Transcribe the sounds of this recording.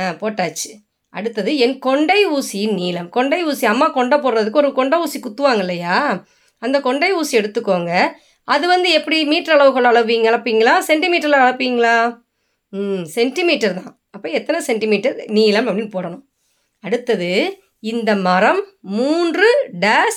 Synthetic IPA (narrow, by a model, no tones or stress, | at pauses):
aːpoːʈːaːt͡ʃːɯ̥ | ɐ̰ɽɯt̪ːɐðɯɛnkɔɳɖɐɪuːsiɪnniːlɐmkɔɳɖɐɪuːsiɐmːaːkɔɳɖɐpoːɾɾɐðɯkːɯɔɾɯkɔɳɖɐuːsikʊt̪ːɯʋaːŋɡɐɪlːɐjaː | ɐnd̪ɐkɔɳɖɐɪuːsiɛɽɯt̪ːɯkːoːŋɡɐ | ɐðɯʋɐnd̪ɯɛpːɐɽimiːʈːɐɾɐɭɐʋɯɣɐɭɐɭɐʋʋiːŋɡɐɭɐpːiːŋɡɐɭaːsɛɳʈɪmiːʈːɐɾlɐːɭɐpːiːŋɡɐɭaː | sɛɳʈɪmiːʈːɐɾt̪ãː | ɐpːɐːɛt̪ːɐnɐsɛɳʈɪmiːʈːɐɾniːlɐmɐpːɐɽinpoːɽɐnʊ̃m | ɐɽɯt̪ːɐðɯ | ɪnd̪ɐmɐɾɐmːuːndrɯɖaːs